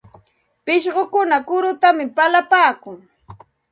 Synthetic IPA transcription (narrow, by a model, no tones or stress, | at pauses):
pɪʃɢokʊnakʊɾʊt̪amɪpalapaːkʊŋ